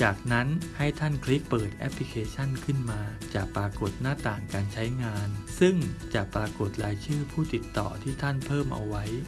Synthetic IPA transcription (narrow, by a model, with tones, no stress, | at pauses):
t͡ɕaː˨˩k̚na˦˥nha˥˩jt̪ʰa˥˩nkʰli˦˥k̚pɤː˨˩t̪̚ʔɛ̰˦˥pʰli˧kʰeː˧t͡ɕʰa˥˩nkʰɯ˥˩nmaː˧t͡ɕa˨˩ʔpɾaː˧ko˨˩t̪̚naː˥˩t̪aː˨˩ŋkaː˧nt͡ɕʰa˦˥jŋaː˧nsɯ˥˩ŋt͡ɕa˨˩ʔpɾaː˧ko˨˩t̪̚laː˨˧˦jt͡ɕʰɯː˥˩pʰuː˥˩t̪i˨˩t̪ːɔ̰ː˨˩t̪ʰiː˥˩t̪ʰa˥˩npʰɤː˥˩mʔa̰˧wa˦˥j